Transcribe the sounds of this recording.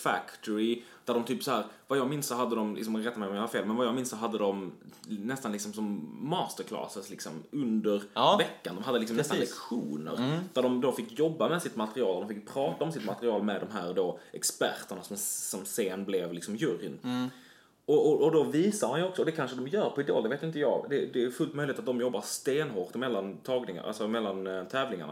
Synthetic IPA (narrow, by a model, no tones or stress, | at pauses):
fæ̰kt̪ʰɔɾɪ | d̪̥æɖɔmt̪ʰyːpsɔɦæːɾvajɑːɡmɪnssɔɦad̪ːəd̪ɔmlɪ̰ks̬ɔmɾɛt̪ːamɛjɔmjœːɾafeːlmɛnvajɑːɡmɪnsɔɦad̪ːəd̪ɔmnɛst̪anɪksɔmsɔmːɑːst̪əɾkʰlɑ̰ːsət̪lɪksɔmɵnd̪əɾvɛkːand̪ɔmɦad̪ːəlɪksɔmɛst̪nlɛkɧṵːnə̰ɾd̪̥æɖɔmd̪ofɪkːjɔbːamɛsɪt̪mat̪əɾɪɑːld̪ɔmfɪkːpʰɾɑːt̪aɔmsɪt̪mat̪ɾɪɑːlmɛd̪ɔmɦæːɾd̪oːʔɛkspæ̰ɾt̪əɳasɔmsɔmseːnblɛvlɪksɔmjɵɾɪ̰n | ʔɔɔːd̪ɔviːsamhanjɔksɔɔd̪ɛkʰanʂəd̪ɔmjœːɾpʰɔɪd̪o̰ːld̪ɛveːt̪jɪnt̪əjɑ̰ːɡd̪ɛd̪ɛjɵfɵlt̪̚mœʏjlɪeːt̪at̪̚d̪ɔmjɔbːad̪st̪eːnɦoːɾt̪mɛlːant̪ʰɑːɡnɪŋa̰ɾʔa̰lsɔmɛlːant̪ʰɛːvlɪŋa̰ɳa